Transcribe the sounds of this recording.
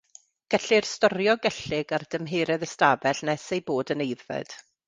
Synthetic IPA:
ɡ̥ɛɬɪrstɔɾjɔɡɛɬɪɡard̥əmɦeːɾɛðəstabɛɬnɛsejboːdənejðvɛ̰d̥

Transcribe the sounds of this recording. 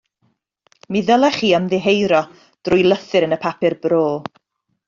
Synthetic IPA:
miðəlˠɛχiːəmðɪɦejɾɔ | d̥rʊjlˠəθɨɾənəpʰapɪrbroː

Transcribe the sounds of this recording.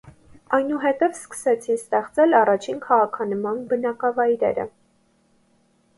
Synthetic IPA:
ɑjnuɦɛt̪ɛvskə̥sɛt͡sʰinst̪ɛχt͡sɛlɑrɑt͡ʃʰinkʰɑʁɑkʰɑnəmɑnbənɑkɑvɑjɾɛ̰ɾə̰

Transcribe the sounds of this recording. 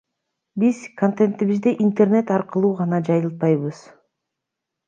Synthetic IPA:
biz̥kʰont̪ent̪ːiβizd̪eʔint̪erne̞t̪ɑɾqɯlˠuːʁɑnɑd͡ʒɑjɯlˠt̪̚pɑjβɯz̥

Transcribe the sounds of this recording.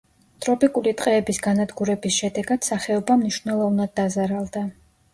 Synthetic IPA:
t̪ʼɾɔpʼikʼulit̪ʼqʼɛːbisɡanad̪ɡuɾɛbisʃɛd̪ɛɡad̪̥saχɛɔbamniʃvnɛlˠɔvnad̪̚ːazaɾalˠd̪a

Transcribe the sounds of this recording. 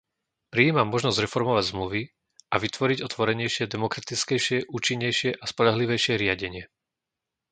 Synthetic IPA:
pɾiːmamːɔʒnɔzɟɾɛfɔɾmɔʋaɟzmluʋi | ʔaʋit̪ʋɔɾiɟɔt̪ʋɔɾɛɲɛjʃɪɛd̪ɛmɔkɾat̪it͡skɛjʃɪɛʔuːt͡ʃiɲːɛjʃɪɛʔaspɔʎaɦliʋɛjʃɪɛɾɪaɟɛɲɪɛ

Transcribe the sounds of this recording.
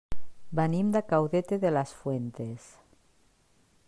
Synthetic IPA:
banimd̪akawðet̪eðelasfwent̪es

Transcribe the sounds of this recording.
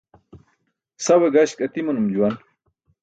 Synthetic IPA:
sɐweɡaɕkɐt̪imunumd͡ʑuwɐn

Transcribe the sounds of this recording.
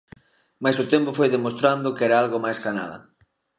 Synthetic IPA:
majsʊt̪ɛmpofojðemost̪ɾand̪ʊkɛɾaalɣomajskana̰ðɐ̰

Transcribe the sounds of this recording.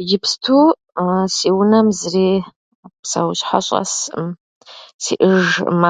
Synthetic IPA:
ʒɪpstʰuː | siwʊnɐmzriː | psawɕħa̰ɕʼɐ̰s | sḭːʔɨʒma

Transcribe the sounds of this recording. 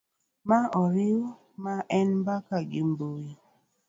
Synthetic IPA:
maʔɔɾɪw | maʔɛnmbakaɡɪmboji

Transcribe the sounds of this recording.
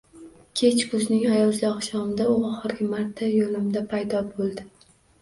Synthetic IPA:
kʲʰe̞t͡ʃkʊznɪŋajɒlˠzɪɒχʃɒmɪd̪aʊɒχɨɾɡʲɪmaɾt̪ʰːajolɪmd̪apʰajd̪ɒbolˠd̪ɪ

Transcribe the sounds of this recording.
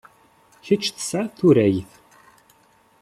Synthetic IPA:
çət͡ʃːθə̥saθuɾæjθ

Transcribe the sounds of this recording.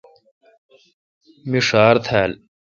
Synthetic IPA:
miʂaːɾt̪ʰaːl

